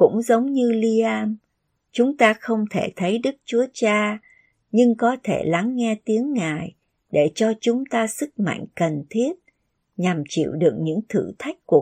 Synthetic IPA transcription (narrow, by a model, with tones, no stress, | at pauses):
kʊ̰˧˥ŋ͡mzə˨˦wŋ͡mɲɨ˧li˧ʔaː˧m | t͡ɕʊ˨˦ŋ͡mt̪aː˧xə˧wŋ͡mt̪ʰe˧˩t̪ʰə˨˦jɗɨ˦˥k̚t͡ɕu˨˦ət͡ɕaː˧ | ɲɨ˧ŋkɔ˨˦t̪ʰe˧˩la˨˦ŋːɛ˧t̪i˨˦əŋːaː˨˩j | ɗe˧˩t͡ɕɔ˧t͡ɕʊ˨˦ŋ͡mt̪aː˧sɨ˦˥k̚ma̰˧˨jŋ̟kə˨˩nt̪ʰi˦˥ət̚ | ɲa˨˩mt͡ɕḭ˧˨wɗɨ˨˩ək̚ɲɨ̰˧˥ŋt̪ʰɨ̰˧˩t̪ʰa˦˥jk̟̚ku˨˩ə